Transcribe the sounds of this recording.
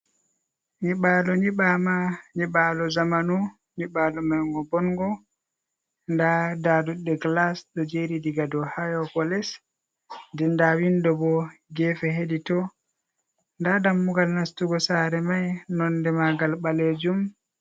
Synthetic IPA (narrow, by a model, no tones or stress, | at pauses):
ɲiɓalɔɲiɓamaɲiɓalɔzamanu | ɲiɓalɔmajŋɡɔbɔŋɡɔ | ndadaduɗɛɡlasɗɔd͡ʒeɾidiɡadɔhajɔkɔlɛs | dɛndawindɔbɔɡɛfɛheɗitɔ | ndadamːuɡalnastuɡɔsaːɾɛmajnɔndɛmaɡalɓaled͡ʒum